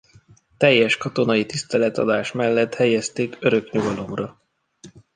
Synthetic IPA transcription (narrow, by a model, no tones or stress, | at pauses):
t̪ɛjːɛʃkɒt̪o̞nɒit̪ist̪ɛlɛt̪ɒ̰d̪aːʃmɛlːɛt̪hɛjɛst̪eːkøɾø̞kɲuɡɒlo̞mrɒ